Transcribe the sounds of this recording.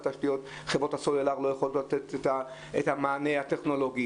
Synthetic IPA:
t̪aʃtijot̪ | χebʁo̞thasolelaʁlo̞jaχolotlat̪et̪eta | ethamaːnehat̪eχno̞lo̞ɡi

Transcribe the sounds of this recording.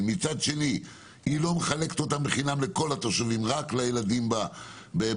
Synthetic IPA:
mit͡sad̪ʃe̞ni | hilo̞meχale̞ke̥t̪o̞t̪ambeχinamle̞ko̞lat̪oʃuvimʁaklajelad̪imba | be

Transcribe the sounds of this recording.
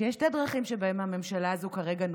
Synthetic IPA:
jɛʃtedʁaχimʃebae̞mhame̞mʃalaːzukaʁe̞ɡan

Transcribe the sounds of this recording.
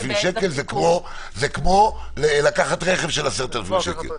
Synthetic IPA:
fimʃekelzekmo̞ | zekmo̞ | lelakaχatʁeχevʃelaseʁt̪elefimʃekḛl

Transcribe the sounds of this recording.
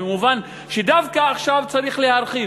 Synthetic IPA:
emuvan | ʃed̪avkaːχʃavt͡saɾiχlehaɾχi

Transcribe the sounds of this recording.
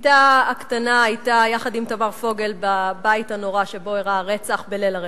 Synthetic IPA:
taːktanaːjtajaχadimt̪amaʁfo̞ɡelbabaitano̞ʁaʃe̞bo̞iʁaʁet͡saχbelelaʁe

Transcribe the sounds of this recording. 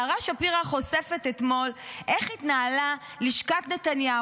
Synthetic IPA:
ʁaʃapiʁaχo̞sefet̪et̪mo̞lʔeχit̪naːla | liʃkat̪net̪anja

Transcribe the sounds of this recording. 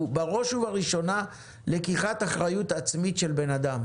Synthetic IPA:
baʁo̞ʃuvaʁiʃo̞na | lekiχat̪aχʁajutat͡smitʃelbe̞nad̪am

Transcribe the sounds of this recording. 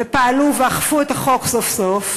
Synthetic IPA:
epaaluveaχfuet̪aχoksofsof

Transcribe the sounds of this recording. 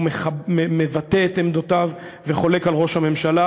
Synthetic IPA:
eemevat̪eet̪emd̪otav | veχo̞le̞kalʁo̞ʃhame̞mʃala

